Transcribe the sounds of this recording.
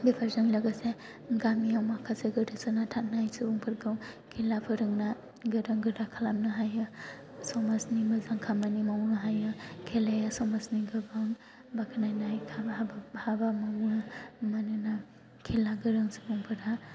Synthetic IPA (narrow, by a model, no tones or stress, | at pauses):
bipʰaɾzaŋlaɡase | ɡamijawmakʰaseɡɯɾɯsɯnatʰat̚najsɯbuŋpʰɯɾɡɯwkʰilapʰɯɾɯŋna | ɡɯɾɯŋɡɯɾakʰalamnɯɦajɯ | sɔmasnimɯzaŋkʰamanimawnɯɦajɯkʰelejasɔmasniɡɯbaŋ | bakʰnajnajkʰabahabamanmanɯna | kʰelaɡɯɾɯŋsɯbuŋpʰɯɾa